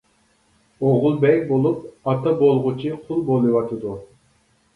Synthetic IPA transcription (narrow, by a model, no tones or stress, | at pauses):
oʁʊlˠbɛkʲbolˠup̚ɑt̪ʰɑbolˠʁʊt͡ʃʰiqʰʊlˠbolˠɨwɑt̪ʰɨd̪u